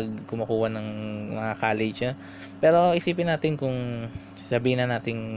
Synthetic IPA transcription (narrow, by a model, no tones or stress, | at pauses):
ɡ̚kʊmɐkuːhɐnɐŋmɐŋakaːlɪa | pɛːɾo̞ʔɪsiːpɪnaːt̪ɪnkʊŋ | sɐbiːhɪnɐnaːt̪ɪŋ